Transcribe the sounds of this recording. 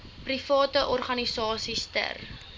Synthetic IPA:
prifɑːtəʔɔrχɐnisɑːsistə̰r

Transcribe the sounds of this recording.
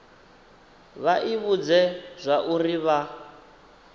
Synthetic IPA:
βaʔiβud͡zɛz̥ʷaʔuriβa

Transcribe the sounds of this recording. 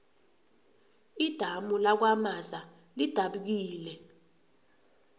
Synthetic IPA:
id̥ʱamulak̬wamaza | lid̥ʱaɓuk̬iːlɛ

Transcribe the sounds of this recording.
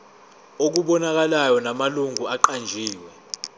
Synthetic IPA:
ok̬uɓɔnak̬alajɔnamaluŋʱuaǃand͡ʒʱiːwɛ

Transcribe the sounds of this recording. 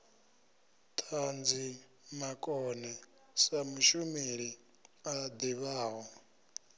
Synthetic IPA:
tʰand͡zi | makʼɔnɛ | samuʃumeɺi | ad̪iβaːɦwa

